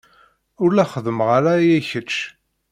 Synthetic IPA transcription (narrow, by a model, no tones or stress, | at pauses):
ʊɾlæχəðəmʁaɾajæçət͡ʃː